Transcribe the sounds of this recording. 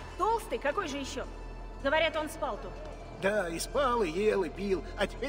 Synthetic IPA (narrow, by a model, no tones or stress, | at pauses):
t̪o̞lˠst̪ɨjkɐko̞jʐɨjɪɕːo̞ | ɡəvɐɾʲat̪o̞nspalˠt̪u | d̪aɪspalˠɪjelˠɨpʲilˠɐtʲɪ̥pʲe